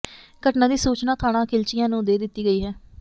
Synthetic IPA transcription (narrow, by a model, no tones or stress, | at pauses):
kəʈnãːd̪iːsuːt͡ʃnaːt̪ʰaːɽãːkʰɪlt͡ʃɪjãːnũːd̪eːd̪ɪt̪ːiːɡəiːɦɛː